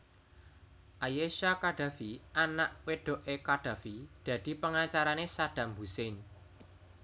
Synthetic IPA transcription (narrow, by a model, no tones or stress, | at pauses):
ʔajeʃakaɖ̥a̤fiʔanaʔweɖ̥o̤ʔekaɖ̥a̤fid̪̥ä̤d̪̥i̤pəŋat͡ʃaɾanesad̪̥ä̤mbusen